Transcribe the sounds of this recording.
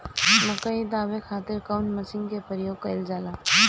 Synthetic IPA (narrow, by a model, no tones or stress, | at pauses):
mʊkəid̪aːʋekʰaːt̪ɪɾkaʊnməsɪ̃ŋɡkepəɾjoːɡ̚kɐɪld͡ʒaːlaː